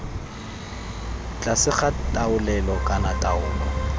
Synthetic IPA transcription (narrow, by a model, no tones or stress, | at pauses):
t͡ɬʼasɪχatʼaʊlɛlɔkʼanatʼaʊːlɔ